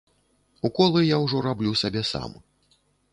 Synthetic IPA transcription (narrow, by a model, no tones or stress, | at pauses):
ukɔlˠɨjawʐɔɾablʲusabʲɛsa̰m